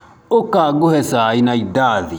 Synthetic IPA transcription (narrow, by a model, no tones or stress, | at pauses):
ʊkːaɡuhɛsaːinaidaːði